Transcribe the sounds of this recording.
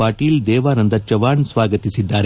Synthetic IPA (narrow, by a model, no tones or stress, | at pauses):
aːʈiːld̪ɛːʋaːnɐnd̪ɐt͡ʃɐʋaːɳsʋaːɡɐt̪isid̪ːaːɾe